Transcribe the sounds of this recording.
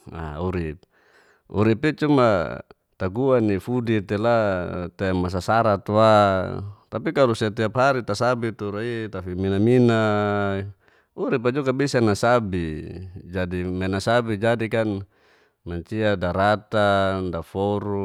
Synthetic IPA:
a̰uɾip̚ | ṵɾipit͡ʃuma̰ | t̪aɡuanifudit̪elat̪emas̬asaɾat̪wa | t̪apikalusiat̪iapɦaɾit̪asabit̪uɾait̪afiminamina | uɾipad͡ʒɔkabisanasabid͡ʒadimenasabid͡ʒadikan | maɲt͡ʃiadaɾat̪andafɔɾu

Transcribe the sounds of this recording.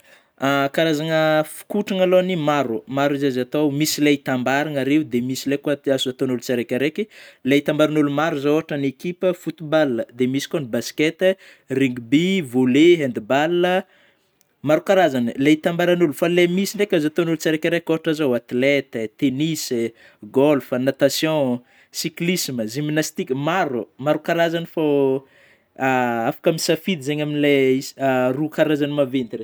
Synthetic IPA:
akaɾazaŋəfi̥kuʈ͡ʂaŋalonimaɾumaɾizazat̪omisileit̪ambaɾaŋaɾeud̪emisilekuaazuzat̪onulut͡saɾekʲaɾekileit̪ambaɾanulumaɾuzooɦaʈ͡ʂənekipəfut̪ubalːəd̪emisi̥konibaskɛt̪ | riŋɡubivoleɦend̪ibalnə | maɾukaɾazanəlet̪ambaɾanulufalemisinɖ͡ʐekʲazat̪onulut͡saɾekʲaɾakoʈ͡ʂazowat̪let̪ət̪enis | ɡɔlfanat̪asjɔ̃ | siklisməzimnast̪ikʲəmaɾumaɾukaɾazanəfa | aafḁkamisafid̪izeɲaminileisarukaɾazanimavent̪re

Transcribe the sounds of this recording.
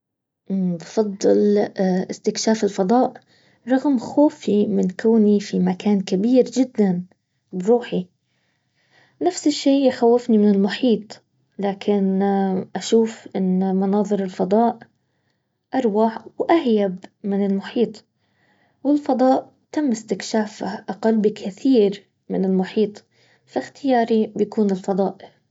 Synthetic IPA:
ʔbfɑd̪ˤːɨlʔɪst̪ɪkʃaːfɪlfɑd̪ˤɑːʔ | ɾˤɑɣmxoːfimɪnkaːnifimakaːnkabiːɾd͡ʒɪd̪ːan | bɾˤuːħi | nafsɪʃːiːjxawːɪfnimɪnɪlmʊħiːt̪ˤ | laːkʰɪnʔaʃuːfʔɪnːmɑnɑːðˤɨɾɪlfɑd̪ˤɑːʔ | ʔɑɾˤwaħwʔahjabmɪnɪlmʊħiːt̪ˤ | wɪlfɑd̪ˤɑːʔ | t̪amːɪst̪ɪkʃaːfaʔaqalbikʰɪθiːɾ | mɪnɪlmʊħiːt̪ˤ | fɪxt̪ɪjɑːɾibjakuːnɪlfɑd̪ˤɑːʔɪ

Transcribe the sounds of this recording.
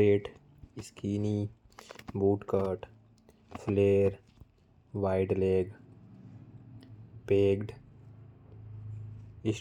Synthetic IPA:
eːʈ | ɪskiːni | buːʈkəːɾʈ | fleːɾ | ʋaɪɖleːɡ | peːɡɖ | ɪs

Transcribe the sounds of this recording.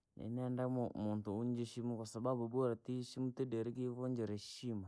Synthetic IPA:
nḛnɛndamumuntuuɲd͡ʒiʃimukwasababubuɾatiʃimutidɛɾik̬iβɔɲd͡ʒɛɾɛʃima

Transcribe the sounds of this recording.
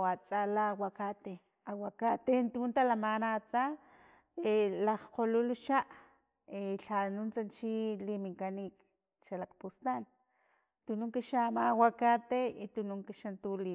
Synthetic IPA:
wat͡salawakat̪e | awakat̪ent̪unt̪alamanat͡sa | elaχqoluluʃaʔ | eɬanunt͡sant͡ʃilimiŋkanik | ʃalak̚pust̪an | t̪unuŋkiʃamawakat̪eit̪unuŋkiʃant̪uli

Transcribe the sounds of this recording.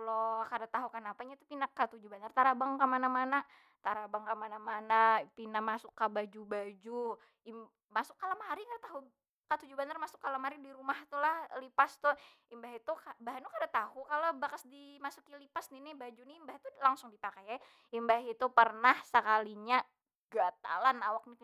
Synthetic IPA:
lokadat̪aɦukanapaɲat̪upinakːat̪ud͡ʒubanart̪aɾabaŋkamanamana | t̪aɾabaŋkamanamanapinamasʊkːabad͡ʒubad͡ʒu | i | masʊkːalamaɾikadat̪aɦu | kat̪ud͡ʒubanarmasʊkːalamaɾidiɾumaht̪ulahlipast̪ʊh | imbaɦit̪ukabaɦanukadaʔt̪ahukalobakasdimasukilipasninɪbad͡ʒuniimbahit̪ulaŋsʊŋdipakaja | imbaɦit̪upərnahsəkaliɲa | ɡat̪a̰lanawak̚ni

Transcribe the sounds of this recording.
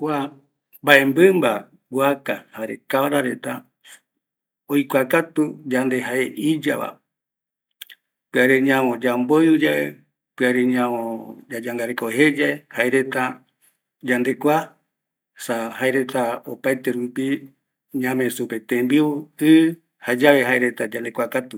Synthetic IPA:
kʷa | mbae̞mbɨmba | ɡʷakahaɾḛkaβaɾaɾe̞t̪a | ojkʷakat̪ud͡ʒand̪e̞ɦaeʔid͡ʒa̰βa̰ | pɨaɾeɲãmõd͡ʒambojud͡ʒaḛ | pɨaɾeɲãõd͡ʒad͡ʒaŋɡaɾekoɦe̞d͡ʒaehaeɾe̞t̪a | d͡ʒand̪e̞kʷa | sahaeɾe̞t̪aopajt̪eɾupi | ɲãmẽsupet̪ẽmbiβuɨ | had͡ʒaβe̞ɦaeɾe̞t̪ad͡ʒand̪ekʷakat̪u

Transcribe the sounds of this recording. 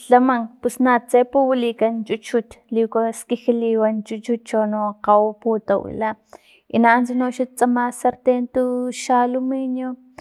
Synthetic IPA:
ɬamaŋpusnat͡sepuwilikant͡ʃut͡ʃut̪likoskixiliːwant͡ʃut͡ʃut͡ʃonoqawpuːt̪awḭla | inaʔːnt͡sinoʃut̪̚t͡samasaɾt̪ent̪uʃalumiɲo

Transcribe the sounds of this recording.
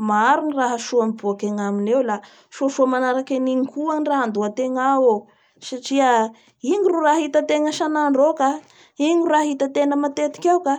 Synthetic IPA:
maɾuniraɦaʃuamibuakeŋaminewla | ʃuaʃuamanaɾakeniŋikʰuaŋiraɦand̪uat̪eŋao | saʈ͡ʂiə | iɲiruɾaɦit̪at̪eŋəʃanaɳɖ͡ʐoka | iɲiuraɦit̪ət̪enəmat̪et̪i̥kʲawka

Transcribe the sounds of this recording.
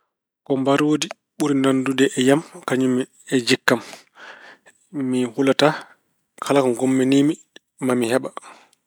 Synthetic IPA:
kɔmbaɾoːdi | ɓuɾinandudɛʔɛjamkaɲumɛ | ɛd͡ʒikːam | mihulata | kʰalakɔŋɡɔmːɛniːmi | mamihɛɓa

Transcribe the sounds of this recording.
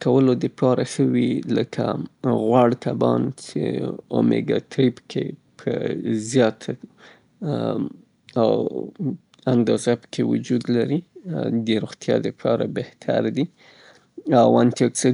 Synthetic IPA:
kawəlod̪əpʰɑɾaʃəwiləkʰa̰ɣwaɽt̪ʰabɑ̰nt͡ʃḛomḛɡɑt̪ɾibkʰepʰəzjɑt̪ʰ | a̰w | and̪ɑzapə̥kʰewud͡ʒud̪laɾid̪əɾoɣt̪jɑ̰d̪əpʰɑɾabeht̪ʰa̰ɾd̪i | awant̪eksə

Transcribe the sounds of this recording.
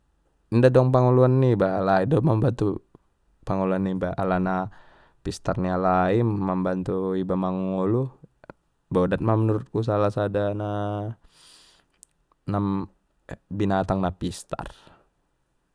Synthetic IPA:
ndadɔŋpaŋuluanːibaːlaidɔmambant̪u | paŋuluanːibaa̰lana | pist̪arnialaimambant̪uibamaŋulu | bodat̪̚mamənuɾut̪̚kus̬alasadana | nam | binat̪aŋnapist̪a̰rr

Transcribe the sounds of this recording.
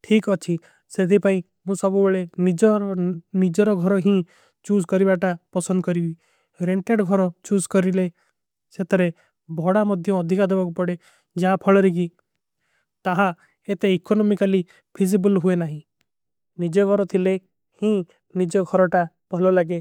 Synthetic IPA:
ʈʰikɔt͡ʃʰi | set̪ipaĩ | mũsɔbubeɭenid͡ʒɔɾnid͡ʒɔɾɔɡʱɔɾɔɦĩ | t͡ʃuzkɔɾibaʈapɔsɔnd̪ɔkɔɾibi | ɾeɳʈeɖɡʱɔɾɔt͡ʃuskɔɾile | set̪ɔɾe | bʱɔɽamɔd̪ʱjɔːd̪ʱikad̪ebakupɔɽe | d͡ʒaapʰɔɭɔɾik̬i | t̪aɦa | et̪eikɔnɔmikali | pʰizibulɦuenaɦĩ | nid͡ʒɔɡʱɔɾɔt̪ʰile | hĩ | nid͡ʒɔɡʱɔɾɔʈapɔlɔlaɡe

